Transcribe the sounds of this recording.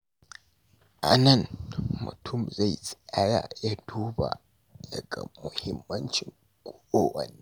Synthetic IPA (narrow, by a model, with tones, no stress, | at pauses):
ʔa˨nɐ˦˨nmʊ̰˨tʰʊ˦˨mza˦˨jsʼi˦ja˦ja̰ː˨jaː˦duː˦ba̰˨ | dɐ˨ɡa̰˨mʊ˨hɪ˦mːɐ˦nt͡ʃɪ˨ŋ | kʷʼoː˦ʔoː˦wɐ˨niː˦